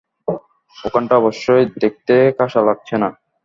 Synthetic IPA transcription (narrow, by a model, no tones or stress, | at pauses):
okaɳʈaɔboʃːojd̪ek̚t̪ekaʃalaɡ̚t͡ɕʰena